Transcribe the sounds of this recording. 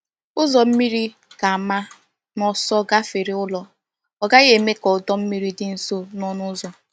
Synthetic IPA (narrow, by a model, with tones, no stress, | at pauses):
ʊ˦zɔ˨m̩˦mi˦ɾi˦ | ka˨a˨ma˦ | nɔ˦sɔ˦ɡa˦fe˨ɾɪ˦ʊ˦lɔ˦ | ɔ˨ɡa˦ɣe˦˨me˦kɔ˨ʊ˨dɔ˦m̩˦mi˦ɾi˦dɪ˨n̩˦so˦nɔ˦nʊ˦zɔ˨